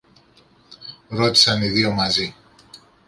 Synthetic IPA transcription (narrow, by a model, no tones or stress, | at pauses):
ɾo̞t̪i̥sɐniðio̞mɐzi